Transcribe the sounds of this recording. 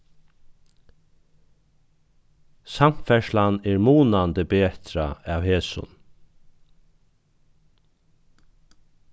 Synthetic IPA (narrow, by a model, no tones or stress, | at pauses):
sam̥tfɛʃlanɛːɹmuːnant̪əbeːt̪ɾa̰aːwheːsʊ̰n